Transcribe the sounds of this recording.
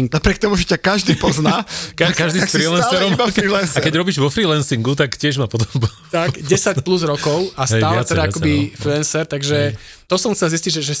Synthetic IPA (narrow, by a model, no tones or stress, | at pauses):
napɾɪɛkt̪ɔmuʒɛcakaʒd̪iːpɔznakakaʒd̪ifɾilɛnsɛɾɔmɔfɾilɛnsakɛɟɾɔbiːʒʋɔfɾiːlɛnsiŋɡut̪akcɪɛʒmapɔd̪ɔmbu | t̪aɡdɟɛsacpluzɾɔkɔʊasɛaːllɛt̪ɛd̪aakɔbifɾilɛnsɛɾt̪aɡʒɛ | t̪ɔsɔmxt͡sɛlzisciɟʒɛʒɛ